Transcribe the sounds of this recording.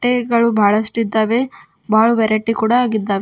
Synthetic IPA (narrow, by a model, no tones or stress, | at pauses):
ʈeɡɐɭubʱaːɭɐsʈuid̪ːaːʋe | bʱaːɭuʋɛɾɐʈːikuːɽaːɡid̪ːaːʋe